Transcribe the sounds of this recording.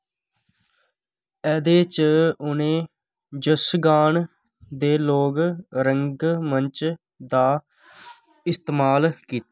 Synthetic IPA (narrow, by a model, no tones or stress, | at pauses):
ɛːd̪eːt͡ʃʊnẽː | d͡ʒəsɡaːɳ | d̪eːloːɡɾəŋɡmənt͡ʃ | d̪aː | ɪst̪emaːlkiːt̪a